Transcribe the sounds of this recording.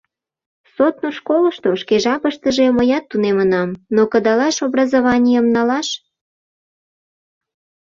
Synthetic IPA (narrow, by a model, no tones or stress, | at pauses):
sot̪noʃkoləʃt̪oʃkeʒɑpəʃt̪əʒeməjɑt̪ːunemənɑmnokəd̪ɑlɑʃobrɑzoβɑnʲijəmnɑlɑʃ